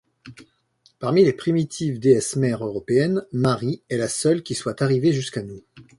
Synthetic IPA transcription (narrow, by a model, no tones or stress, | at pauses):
paʁmilepχimit̪ʰivd̪eɛsmɛʁøʁɔpeɛnmaʁiɛlasœlkʲiswat̪aʁiveʒyskanu